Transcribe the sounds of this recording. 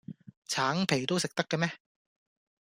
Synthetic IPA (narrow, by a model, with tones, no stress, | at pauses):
t͡sʰaː˨˥ŋpʰe˨˩jt̪o˥wsɪ˨k̚t̪ɐ˥kːɐ˧mɛː˥